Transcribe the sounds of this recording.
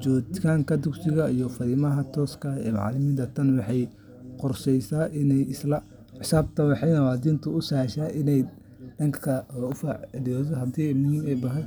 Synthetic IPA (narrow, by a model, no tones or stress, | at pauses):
t͡ʃɔːt̪kʰaːŋkʰɐd̪ʊksɪɣɐijɔfɐɾiːmɐɦɐt̪ʰɔːskʰɐɛ̰ːmɑ̰ʕlɪmiːnt̪ʰɐt̪ʰɐnwɑħɑj | qɔrsɛjsaːʔɪnɛjɪslɐ | ʕɪsaːb̚t̪ʰɐwɑħɑjnɐwaːd̪iːnt̪ʰʊʊsɐhʃaːʔɪnɛj | ɖ̥ɐŋkʰɐʊfaːʕɪlɪjɔːðɔɦɐd̪iːmʊhiːmɛjbɐɦɐj